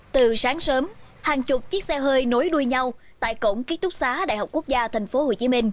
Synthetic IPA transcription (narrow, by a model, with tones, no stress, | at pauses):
t̪ɨ˨˩saː˨˦ŋsəː˨˦m | haː˨˩ŋt͡ɕʊ˨˩k͡p̚t͡ɕi˦˥ək̚sɛ˧ɦəː˧jno˨˦jɗu˧əjɲa˧wt̪a̰ː˧˨jko̰˧˩wŋ͡mki˦˥ət̚t̪ʊ˦˥k͡p̚saː˨˦ɗa̰ː˧˨jɦa˨˩k͡pku˦˥ək̚zaː˧t̪ʰɛ˨˩ŋ̟fo˨˦ho˨˩t͡ɕi˨˦mï˧ŋ̟